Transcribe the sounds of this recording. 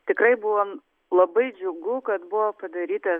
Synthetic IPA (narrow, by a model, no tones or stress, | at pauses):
t̪ʲɪkɾɐɪbʊʋoː | lˠɐbɐɪd͡ʒʲʊɡʊkɐt̪bʊʋoːpɐd̪ɐɾʲiːt̪ɐ